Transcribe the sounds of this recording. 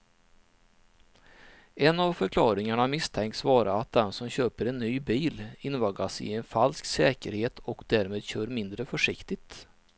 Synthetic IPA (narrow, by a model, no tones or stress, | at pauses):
ɛnavfœɾkʰlɑːɾɪŋaɳamɪst̪ʰɛŋkt̪svɑːɾaat̪̚d̪ɛnsɔmɕøːpəɾɛnːyːbiːlɪnvɑɡasɪ̰ɛnfalsksɛːkəɾheːt̪ʰɔkd̪æɾmeːd̪ɕøːɾmɪnd̪ɾəfɔʂɪkt̪ɪt̪